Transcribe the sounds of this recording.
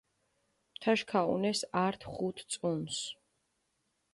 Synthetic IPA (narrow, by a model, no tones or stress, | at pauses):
mt̪ʰaʃkʰaṵnɛsaɾt̪ʰχut̪ʰt̪sʼuns